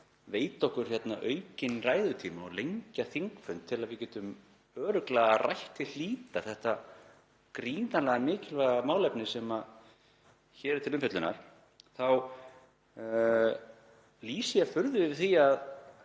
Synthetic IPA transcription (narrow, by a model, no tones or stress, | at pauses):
veːjt̪ɔhkʏɾ̥çjɛt̪naʔœːɥcɪnraːjðʏt̪ʰiːmaɔlejɲcaθiŋkfʏnt̪ʰːɪlaðvɪcɛːt̪ʏm | œːɾʏklaːɣarajht̪ɪl̥iːt̪aθɛht̪a | kɾiːnalɛɣamɪːcɪlvɛɣamaːwlɛpnɪsɛma | çɛːɾɪt̪ʰɪlʏmfʏt̪lʏna̰ɾ̥ | θaw | liːsiafʏɾðʏvɪðθiað